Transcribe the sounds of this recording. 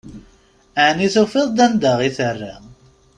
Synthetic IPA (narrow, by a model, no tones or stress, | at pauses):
aʕniθofɪðˤd̪ænd̪aʁiθərːa